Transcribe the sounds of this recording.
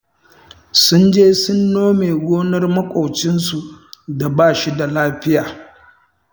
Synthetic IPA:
sʊ˦nd͡ʒeː˦sʊ˦nːoː˦meː˨ɡʷoː˦nɐ˦rmɐ˦kʷʼɔ˨t͡ʃɪ˦nsu˨da˨baː˦˨ʃi˦da˨laː˦ɸɪ˦jaː˨

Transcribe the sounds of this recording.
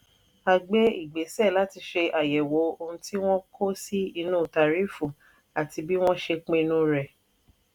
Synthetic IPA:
a˨ɡ͡be˦i˦˨ɡ͡be˨˦sɛ˦˨la˨˦ti˧ʃe˧ʔa˨jɛ˨wo˨˦o˧ɾũ˧ti˦w̃ɔ̃˦kʰo˦si˦i˧nũː˦˨ta˨ɾi˦fũ˨ | a˨ti˧bi˦w̃ɔ̃˦ʃe˧k͡pẽ˧nũ˦ɾɛ˨

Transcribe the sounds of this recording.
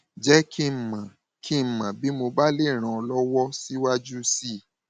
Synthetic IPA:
d͡ʒɛ˦kʰi˦m̩˨mã˨ | kʰi˦˨mã˨bi˨˦mo˧ba˦le˦˨ɾ̃ã˧˨ɔ˧lɔ˦wɔ˦si˦wa˦d͡ʒu˦si˦˨

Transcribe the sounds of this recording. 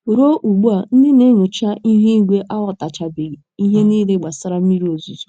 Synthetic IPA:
ɾo˦ʔu˨ɡ͡bu˦a˨n̩˦dɪ˦ne˦ɲo˨t͡ʃa˦i˦ɦe˦ɡʷe˦ʔa˦wɔ˨ta˨t͡ʃa˨bi˨ɾi˨i˦ɦe˦niː˦le˦ɡ͡ba˨sa˦ɾa˦m̩˦i˦ɾi˦o˨zu˨zu̥˨

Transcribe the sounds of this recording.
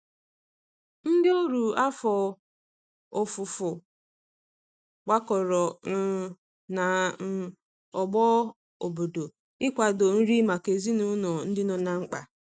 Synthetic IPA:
n̩˦dɪ˦o˦ɾu˨a˦fɔ˨ | o˨fʊ˨fʊ˨ | k͡pa˦kɔ˨ɾɔ˨n̩˦ | na˨˦ | ɔ˨ɡ͡bɔ˦ | o˨bo˨do˨ | ɪ˦kʷa˨do˨n̩˦ɾi˦ma˨ke˨zi˦nu˦nɔ˨n̩˦dɪ˦nɔ˨na˨ŋ͡m̩˦k͡pa̰˨

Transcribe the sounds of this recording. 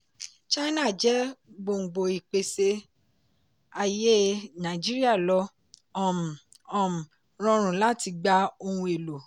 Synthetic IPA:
t͡ʃa˦nã˦˨d͡ʒɛ˨˦ɡ͡bo˧˨ŋ͡m̩˨ɡ͡bo˨i˨k͡pe˨se˧ | a˧je˦nã˨i˨d͡ʒi˦ɾi˦a˦˨lɔ˧˦ | ɔ˨m˨ | ɔ̃˨m˨ | ɾ̃ɔ̃˧ɾ̃ũ˨la˦ti˧ɡ͡ba˦o˧hũ˧e˨lo˨

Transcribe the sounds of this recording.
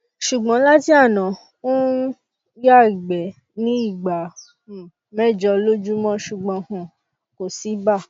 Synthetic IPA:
ʃu˨ɡ͡bɔ̃˨˦la˦ti˦a˦˨nã˨ | o˦ | ja˦˨ɡ͡bɛ˨ | nĩ˨˦i˦˨ɡ͡ba˨ | mɛ˦˨d͡ʒɔ˧lo˦d͡ʒu˦mɔ̃˦ʃu˨ɡ͡bɔ̃˧hɔ̃˧˨ | ko˨si˨˦ba˦˨

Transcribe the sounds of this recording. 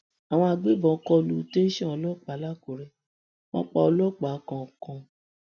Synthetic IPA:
a˨w̃ɔ̃˧a˧ɡ͡be˦bɔ̃˨˦kɔ˦˧lu˦te˦ʃɛ̃˦ɔ˧lɔ˦˨k͡pa˨˦la˦ko˨ɾɛ˧ | wɔ̃˦k͡pɔ˧ɔ˧lɔ˦˨k͡pa˨˦kã˧˨kɔ̃˧

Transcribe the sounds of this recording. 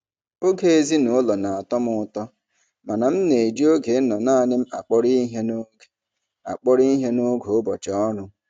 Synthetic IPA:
o˦ɡe˦e˦zi˦nʊ˦lɔ˨na˨a˨tɔ˦mʊ˦tɔ˦ | ma˨na˨m̩˦ne˨d͡ʒi˦o˦ɡe˨˦nɔ˨na˦a˨nɪ˦m̩˦a̰˨k͡pɔ˦ɾi˦ɦe˦n˦˨ | a̰˨k͡pɔ˦ɾi˦ɦe˦no˦ɡo˨ʊ˦bɔ̰˨t͡ʃɔ˦ɔ˦nʊ˦

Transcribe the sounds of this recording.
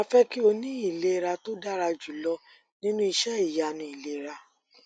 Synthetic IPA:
a˧fɛ˦ki˦o˧nĩ˦i˦˨le˦˧ɾa˧to˦da˦ɾa˧d͡ʒu˨lɔ˧ | nĩ˦nũ˦i˧ʃɛ˦i˨ja˨nĩ˧i˨le˦˨ɾa˧

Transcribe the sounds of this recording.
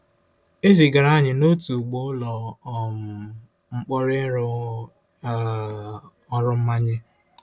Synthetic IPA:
e˦zi˨ɡa˨ɾa˦ɲɪ˨no˦tu˨ɡ͡bo˦ʊ˦lɔ˨m̩˨ | ŋ͡m̩˦k͡pɔ˦ɾɪ˦ɾʊ˦˨˦ | ɔ˦ɾʊ˦m̩˦ma˦ɲɪ˦

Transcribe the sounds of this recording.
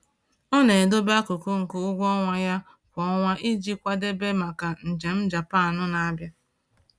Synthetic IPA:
ɔ˦ne˨e˨do˦ba˦kʊ˨kʊ˦ŋ̩˨kʊ˨ʊ˦ɡʷɔ˦ŋʷa˦ja˦ | kʷɔ˦ŋʷa˦ʔi˦d͡ʒi˦kʷa˦de˦be˦ma˨ka˨n̩˨d͡ʒe˨m̩˦d͡ʒa˨pa˦˨nʊ˦na˨a˦bja˦

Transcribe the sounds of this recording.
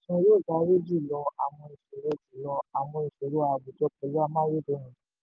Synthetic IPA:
sɔ̃˧˦jo˦˨ɡa˨˦ɾe˦d͡ʒi˦˨lɔ˧a˨w̃ɔ̃˧i˨so˨˦ɾo˦˨ti˨lɔ˧a˨w̃ɔ̃˧i˨so˨˦ɾo˦a˨bu˨tɔ˧˦k͡pɛ˨˦la˦mãː˦je˦˨do˨˧˦ñũ˨˦

